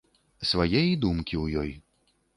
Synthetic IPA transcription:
svajɛjd̪umkʲiwjɔj

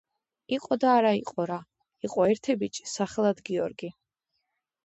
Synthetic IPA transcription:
iqʼɔd̪aːɾaiqʼɔɾa | iqʼɔɛɾt̪ʰɛbit͡ʃʼsaχɛlˠad̪ɡiɔɾɡi

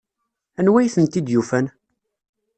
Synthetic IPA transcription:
ænwæjθənt̪id̪jufæn

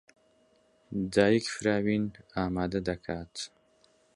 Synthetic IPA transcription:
d̪ɑːjikfɾɑːwinaːmaːd̪ad̪ɐkʰaːt̪

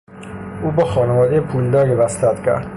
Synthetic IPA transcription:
ʔuːbɒːxɒːnevɒːd̪ejepʰuːld̪ɒːɾjebæst̪æt̪cʰæ̰ɾd̪̥

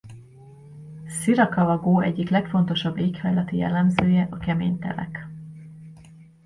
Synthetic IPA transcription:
siɾɒkɒvɒɡoːʔɛɟːiklɛkfo̞n̪t̪o̞ʃɒbːeːkhɒjlɒt̪ijɛ̰lːɛmzøːjɛʔɒkɛmḛːɲt̪ɛ̰lɛ̰k

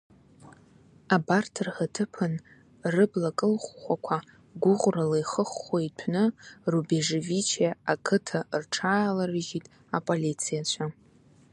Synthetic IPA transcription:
abartʰɨrhatʰɨpʰɨn | rɨblakʼɨlχːʷakʷʰa | ɡʷʊʁʷralejχəχːoitʷʰnɨrubeʐevit͡ʃʰeakʰɨtʰarʈ͡ʂʰaːlarɨʒitʼ | apʼolit͡sʰijat͡ɕʷʰa

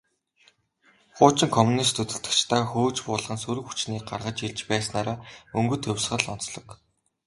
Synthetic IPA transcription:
χʊːt͡ɕɪ̆ŋkʰɔmunist̪ʰɵt̪ɵ̆ɬt̪ɘ̥̆kt͡ɕt̪ʰaːxoːt͡ɕpʊːɮʁə̆nsɵɾɘ̆xu̥t͡ɕniːk̚ɢarʁə̆t͡ɕiɮt͡ɕpæːsnaːɾaːɵŋɡɵ̆t̪ʰɵwʲsχə̆ɮɔn̥t͡sɮɞ̆k

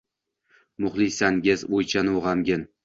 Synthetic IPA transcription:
mʊχlˠisanɡʲɪzojt͡ʃʰanʁɑmɡʲɪn

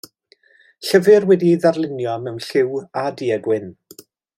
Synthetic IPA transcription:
ɬəvɨrwɛdiiðarlˠɪnjɔmɛwnɬɪwadiəɡwɪn

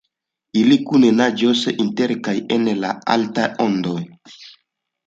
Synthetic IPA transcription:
ilikunenad͡ʒosinteɾkajenla̰a̰ltaondoj

